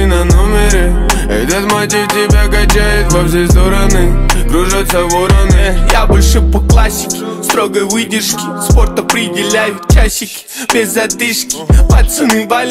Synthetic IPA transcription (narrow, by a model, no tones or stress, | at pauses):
nɐnomʲɪɾɪ | ɛ̰d̪ʲat̪mat̪ʲɪt̪ʲɪbʲaɡɐt͡ɕajʊt̪vɐfsʲest̪oɾənɨɡɾuʐat̪səvoɾənɨjabɨlʲʂɨpəklˠasʲːɪ̥kʲɪst̪ɾoɡəjvɨdʲɪrʂkʲɪ̥spo̞rt̪ɐpɾʲɪdʲɪlʲæjʊt͡ɕːaɕɪkʲɪ̥bʲɪzɐd̪ɨʂkʲɪ̥mɐt̪sɨnɨbalʲ